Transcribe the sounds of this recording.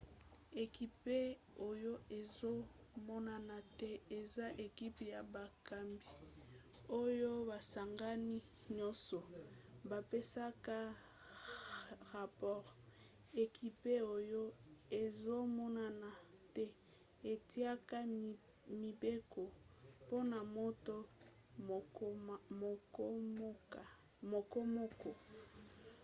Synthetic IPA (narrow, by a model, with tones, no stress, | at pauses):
e˨ki˨pe˦ | o˨jo˦e˨zo˦mɔ˦na˨na˨tɛ˦e˨za˦ʔe˨ki˦pja˨ba˨ka˨mbi˨ | o˦jo˦ba˨sa˨ŋɡa˦ni˦ | ɲɔ˦sɔ˨ba˨pe˦sa˦ka˦ | ʁa˨pɔ˦˨ʁ | e˨ki˦pe˦o˦jo˦e˨zo˦mɔ˦na˦na˨te˦ | e˨tʰi˦a˦ka˦ | mi˨be˦ko˨po˦na˨mo˦to˦˨˦ | a˨ | mo˨kɔ˦mɔ˦kɔ˨